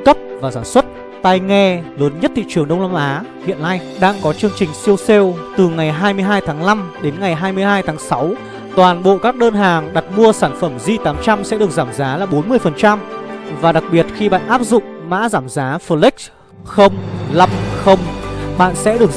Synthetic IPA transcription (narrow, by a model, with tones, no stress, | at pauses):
kə˦˥p̚vaː˨˩zaː˧˩nswə˦˥t̚ | t̪a˧jŋɛ˧ləː˨˦nɲə˦˥t̚t̪ʰḭ˧˨t͡ɕɨ˨˩əŋɗə˧wŋ͡mlaː˧mʔaː˨˦hḭ˧˨ənna˧jɗaː˧ŋkɔ˨˦t͡ɕɨ˧əŋt͡ɕï˨˩ŋ̟si˧əwse˧wt̪ɨ˨˩ŋa˨˩jɦaː˧jmɨ˧əjɦaː˧jt̪ʰaː˨˦ŋla˧mɗe˨˦nŋa˨˩jɦaː˧jmɨ˧əjɦaː˧jt̪ʰaː˨˦ŋsa˨˦w | t̪waː˨˩nɓo̰˧˨kaː˦˥k̚ɗəː˧nɦaː˨˩ŋɗa˨˩t̚mu˧əsaː˧˩nfə˧˩mzi˧t̪aː˨˦mt͡ɕa˧msɛ̰˧˥ɨ˨˩ək̚z̥aː˧˩mzaː˨˦laː˨˩ɓo˨˦nmɨ˧əjfə˨˩nt͡ɕa˧mvaː˨˩ɗa˨˩k̚ɓi˨˩ət̚xi˧ɓa̰ː˧˨nʔaː˦˥p̚zʊ̰˧˨ŋ͡mma̰ː˧˥zaː˧˩mzaː˨˦fə˧li˦˥k̚ | xə˧wŋ͡mla˧mxə˧wŋ͡mɓa̰ː˧˨nsɛ̰˧˥ɗɨ˨˩ək